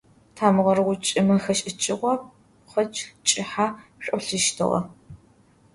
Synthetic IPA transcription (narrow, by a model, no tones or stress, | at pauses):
tʰaːmɨʁɐrɨʁʷʊt͡ʃʼɪmɐxɐʃʼɪt͡ʃʼɪʁʷɔ | χʷɐt͡ʃʼt͡ʃʼɪħaːɕʷʼɔɬɨʃtʰɨ̰ʁɐ̰